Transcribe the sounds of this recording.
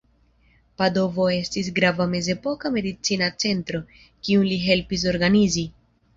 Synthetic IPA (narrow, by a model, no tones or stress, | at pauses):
pado̞vo̞e̞stis̬ɡɾavame̞ze̞po̞kame̞dit͡sinat͡se̞ntɾo̞ | kiunliɦe̞lpis̬o̞ɾɡanizi